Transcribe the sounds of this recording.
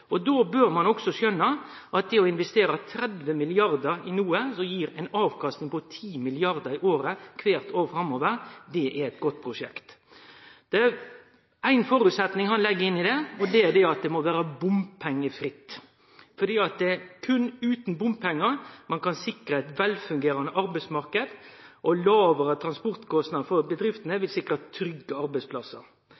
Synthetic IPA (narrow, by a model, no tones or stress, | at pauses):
ɔd̪obøːɾmɑnɔksɔsœnːɑ | ʔɑt̪̚d̪ɛɔɪnʋɛst̪eːɾət̪ʰɾɛd̪ʋəmɪlɪɑɾd̪əɾɪnuːəsɔjiːɾæɪnɑːʋkʰɑst̪nɪŋpɔt̪ʰiːmɪlɪɑɾd̪əɾɪʔoːɾəkʰʋeːɾt̪oːfɾɑmːoːʋəɾd̪ɛʔæɾɛt̪ɡɔt̪ːpʰɾʊʂɛ̰kt̪ | d̪̥ɛæɾ | æɪnfɔɾʉt̪sɛt̪nɪŋhɑnlɛɡːəɪnːɪd̪ɛɔd̪ɛæd̪ɛɑt̪̚d̪ɛmɔʋæːɾəbʊmpʰɛŋːəfɾɪt̪ː | fɔd̪iːɑt̪̚d̪ɛækʰʉnʉːt̪n̩bʊmppʰɛŋːəɾmɑnkɑnsɪkɾəæɪt̪ʋɛlfʉŋɡeːɾɑnəʔɑɾbæɪsmɑɾkəd̪ʔɔlɑːʋəɾət̪ʰɾɑnspɔɾt̪kʰɔst̪nɑd̪fɔɾbəd̪ɾɪft̪nəʋɪlsɪkːɾət̪ʰːɾʏɡːəɑɾbæɪspʰlɑsə̰ɾ